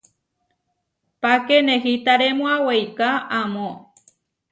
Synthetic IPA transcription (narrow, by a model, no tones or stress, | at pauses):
pakenẽɦit̪aɾemõãwejkaamõ